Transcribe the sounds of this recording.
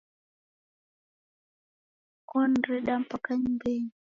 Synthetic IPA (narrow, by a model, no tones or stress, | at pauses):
kɔnɾɛɗam̩pakaɲimbeɲi